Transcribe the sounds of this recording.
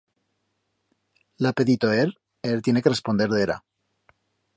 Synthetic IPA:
lape̞ðit̪oeɾ | eɾt̪je̞ne̞kerespo̞nd̪e̞ɾðeɾa̰

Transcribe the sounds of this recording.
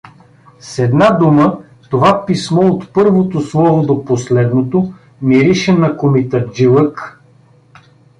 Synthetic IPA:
sɛd̪nad̪umə | t̪ovapismɔot̪pɤɾvot̪oslˠɔvod̪oposlɛd̪not̪o | miɾiʃɛnɐkomit̪ɛd͡ʒilˠək

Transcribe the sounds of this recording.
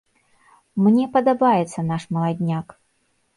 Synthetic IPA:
mnʲɛpɐd̪abajɛt̪sːɐnaʂmɐlˠad̪ʲnʲak

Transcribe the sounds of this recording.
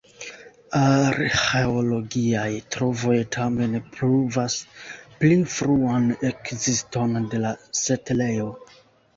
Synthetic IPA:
aɾxeolo̞ɡiajtɾo̞vo̞jtʰame̞npɾuvasplifɾuane̞kzisto̞nde̞lasetle̞jo̞

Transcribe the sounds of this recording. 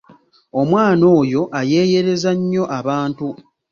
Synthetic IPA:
o̞mwaːno̞ːjo̞ʔaje̞ːje̞ɾe̞zaɲːo̞ʔaβaːntu

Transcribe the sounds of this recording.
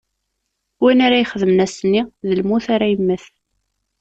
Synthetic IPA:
winaɾajχəðəmnæsnːiðəlmuθaɾæjəmːəθ

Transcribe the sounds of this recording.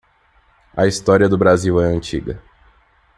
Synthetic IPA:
ɐist̪ɔɾiɐd̪ʊbɾaziwɛɐ̃nt͡ʃḭɡɐ̰

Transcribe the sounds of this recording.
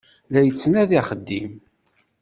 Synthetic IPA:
læjət͡sːnæðiχəd̪ːim

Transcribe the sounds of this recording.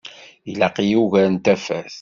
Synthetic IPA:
ilæqijuʝæɾnt̪æfæ̰θ

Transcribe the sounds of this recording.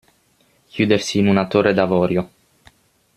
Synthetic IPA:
kʰjuːd̪ersiːnunat̪orːed̪avɔːɾjo

